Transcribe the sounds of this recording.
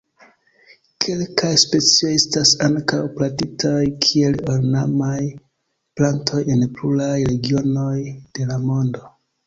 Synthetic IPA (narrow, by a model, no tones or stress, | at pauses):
kʰe̞lkajspe̞t͡sio̞je̞stasaŋkawplatitʰajkʰie̞loɾnamaj | plantʰo̞je̞npluɾajɾe̞ɡio̞no̞jd̥e̞lamo̞ndo̞